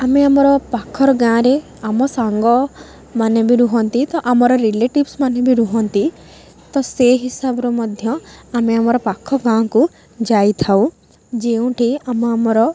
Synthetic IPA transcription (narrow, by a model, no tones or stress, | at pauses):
ameamɔɾɔpakʰːɔɾɔɡãɾe | amɔsaŋɡɔ | manebiɾuɦɔnt̪it̪ɔʔamɔɾɔɾileʈibsmanebiɾuɦɔnt̪i | t̪ɔseɦisabɔɾɔmɔd̪ʱjɔameamɔɾɔpakʰːɔɡãku | d͡ʒajt̪ʰaũ | d͡ʒeũʈʰiamɔamɔɾɔ